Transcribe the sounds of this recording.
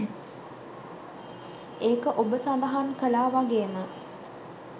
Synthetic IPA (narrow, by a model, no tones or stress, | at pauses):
eːkəʔobəsand̪əɦankəlaːʋaɡeːmə